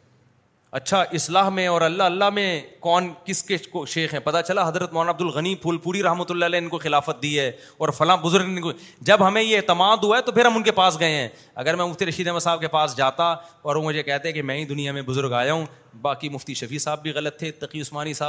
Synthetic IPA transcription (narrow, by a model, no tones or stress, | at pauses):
ɐ̰tːʃʰaʔɪslaːɦmẽɔːɾɐlːalːaɦmẽkɔːnkɪskekoʃeːxɦɛ̃pɐt̪at͡ʃɐlaɦɐzɾət̪mɔːnaɐb̚d̪ʊlɣɐnipuːlpuːɾiɾɐɦmət̪ʊlːaːlɛɪnkoxɪlaːfət̪̚d̪iɦɛː | ɔːɾfɐlãbʊzʊɾɡk | d͡ʒɐbɦɐmẽjet̪ɐmaːd̪ɦuaɛt̪opʰɪɾɦɐ̃mʊnkepaːsɡɐẽɦɛ̃ː | ɐ̰ɡəɾmɛ̃mʊft̪iɾɐʃiːd̪ɛːməsaːb̚kepaːsd͡ʒaːt̪aɔːɾʋõmʊd͡ʒʱekɛɦt̪ẽɦɛ̃kemɛ̃ːɦĩd̪ʊnijamẽbʊzʊɾɡaːjaːɦũː | baːkimʊft̪iʃɐfʰiːsaːbːʱiɣɐlət̪ʰːet̪ɐqiʊsmaːnisaːb